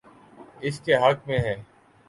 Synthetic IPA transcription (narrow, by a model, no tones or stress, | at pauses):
ɪskeɦɐkmẽɦɛ̃ː